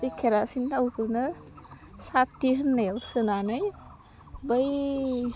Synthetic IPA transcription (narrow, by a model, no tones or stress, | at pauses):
bɯjkʰeɾasinawkɯlnɯ | satːiɦɯnːajwsɯnanɯj | bəj